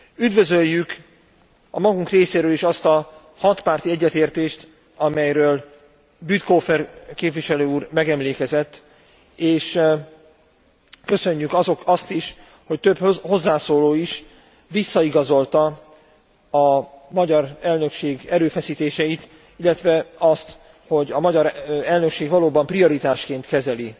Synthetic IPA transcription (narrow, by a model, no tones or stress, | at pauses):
yd̪vø̞zø̞jːyk | ɒmɒɡuŋkreːseːɾøːliʃɒst̪ɒ | hɒt̪paːrt̪iɛɟːɛt̪eːrt̪eːʃt̪ | ɒmɛjɾøːl | byt̪koːfɛrkeːpviʃɛløːuːrmɛɡɛmleːkɛzɛt̪ː | eːʃ | kø̞sø̞ɲːykɒzo̞kɒst̪iʃ | ho̞c̚t̪øbho̞zːaːsoːloːiʃ | ʋisːɒiɡɒzo̞lt̪ɒ | ɒmɒɟɒɾɛlnø̞kʃeːɡɛɾøːfɛsiːt̪eːʃɛjit̪ | ilːɛt̪ʋɛɒst̪ | ho̞ɟɒmɒɟɒɾɛlnøkʃeːɡʋɒloːbɒmprio̞ɾit̪aːʃkeːnt̪kɛzɛli